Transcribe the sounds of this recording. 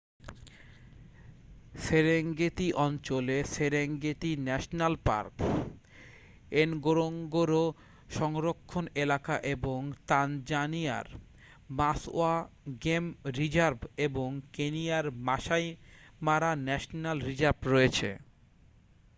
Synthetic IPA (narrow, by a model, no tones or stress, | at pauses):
seɾeŋɡet̪iʔɔnt͡ɕoleseɾeŋɡet̪inɛʃonalpa̰ɾk | enɡoɾoŋɡoɾo | ʃɔŋɾokʰːonelakaʔeboŋt̪and͡ʑania̰ɾ | masoaɡemɾid͡ʑaɾbeboŋkenijaɾmaʃajmaɾanɛʃnalɾid͡ʑaɾbɾoet͡ɕʰḛ